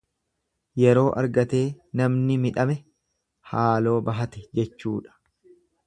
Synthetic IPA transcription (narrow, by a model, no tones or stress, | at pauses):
jɛɾo̞ːʔɐ̰ɾɡɐt̪e̞ːnɐmnɪmɪᶑɐmɛ | haːlo̞ːbɐɦɐt̪ɛd͡ʒɛt͡ʃːuːᶑɐ̥